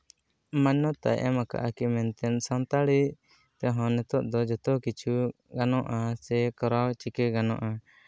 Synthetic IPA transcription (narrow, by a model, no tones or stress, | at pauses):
maɲːɔt̪a̰jʔɛ̰maka̰ʔakimɛnt̪ɛnsant̪aɽi | t̪ɛɦɔ̃nɛt̪ɔʔd̪ɔd͡ʒɔt̪ɔkit͡ʃʰu | ɡanɔ̃ʔasɛkɔɾawt͡ʃikɛɡanɔ̰̃ʔa